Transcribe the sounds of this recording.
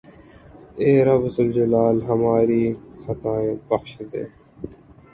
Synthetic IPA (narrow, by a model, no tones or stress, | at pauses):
eːɾɐbsʊld͡ʑɐlaːlɦɐmaːɾiːxɐt̪aːebɐxʃd̪ḛː